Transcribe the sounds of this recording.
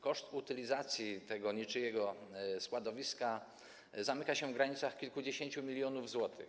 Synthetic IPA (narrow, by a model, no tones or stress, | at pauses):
kɔʂt̪ut̪ɘlʲizat̪sʲjit̪ɛɡɔɲit͡ʂɘjɛɡɔskwad̪ɔvʲiska | zamɘkaɕɛvɡɾaɲit̪saxkʲilkud͡ʑeɕeɲt͡ɕumʲilʲjɔnuvzwɔt̪ɘ̰x